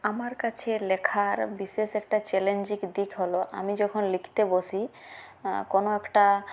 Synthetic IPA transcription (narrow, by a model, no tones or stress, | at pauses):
amaɾkat͡ɕʰelekʰaɾbiʃeʃɛkʈat͡ɕɛlend͡ʑikd̪ikʰɦoloʔa̰mid͡ʑɔkʰonlikʰt̪eboʃi | konoɛkʈa